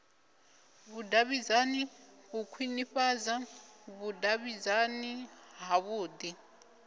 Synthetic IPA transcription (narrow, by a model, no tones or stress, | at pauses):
βudaβizaniβukʰwiniɸazaβudaβizaniɦaβuːd̪i